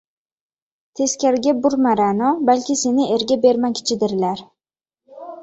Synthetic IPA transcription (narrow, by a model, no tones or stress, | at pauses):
t̪ʰe̞skʲaɾɡʲabʊɾmaɾanɒbalkʲɪse̞nɪe̞ɾɡʲabe̞ɾmankʲʰɪ̥t͡ʃʰɪd̪ɪɾlaɾ